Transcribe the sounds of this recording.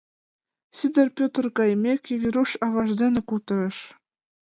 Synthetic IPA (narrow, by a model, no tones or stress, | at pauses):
sʲid̪ʲɘ̆rpʲot̪rkɑjmʲekʲivʲiɾuʃɑvɑʐd̪ʲenʲɘ̆kut̪ɤ̆ɾɤ̆ʃ